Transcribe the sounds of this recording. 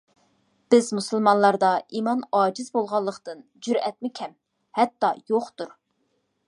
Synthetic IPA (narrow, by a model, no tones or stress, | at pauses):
b̥ɪzmusɨlˠmɑnlˠɑɾd̪ɑimɑnɑːd͡ʒɪzbolˠʁɑlˠːəqt̪ɨnd͡ʒyɾɛt̪mɪkʲʰɛm | hɛt̪ːɑjoχt̪uɾ